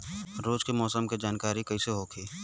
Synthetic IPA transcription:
ɾoːd͡ʒkemɔːsəmked͡ʒaːnkaːɾikɐiseɦokʰiː

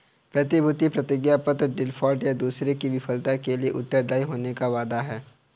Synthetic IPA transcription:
pɾɐt̪ibʱʊt̪ipɾɐt̪ɪɡjapət̪ɾɖɪlfʰɔːɾʈjad̪uːsɾekiʋɪfʰəlt̪akelieʔʊt̪ːəɾd̪aːiɦoːnekaʋaːd̪aɦɛː

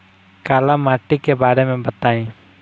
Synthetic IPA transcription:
kaːlaːmaːʈiːkebaːɾemẽːbət̪aːĩː

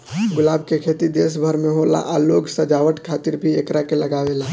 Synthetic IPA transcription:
ɡʊlaːb̚kekʰeːt̪id̪eːs̬bʱəɾmẽɦoːla̰ʔaloːɡsɐd͡ʒaːʋəʈkʰaːt̪ɪɾbʱieːkɾakelɐɡaʋeːlaː

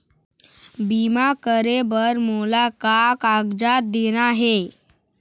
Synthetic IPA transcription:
bimakəɾebəɾmolakakaɡd͡zat̪̚d̪eñaɦe

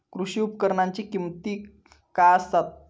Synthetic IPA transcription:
kɾuɕiupkəɾɳaɲt͡ɕikimt̪iː | kast̪at̪̚

